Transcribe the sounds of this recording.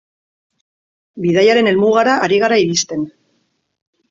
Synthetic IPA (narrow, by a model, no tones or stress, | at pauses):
bið̞ajaɾe̞ne̞lmuɣ̞aɾaʔːɾiɣ̞aɾaiɾist̪e̞n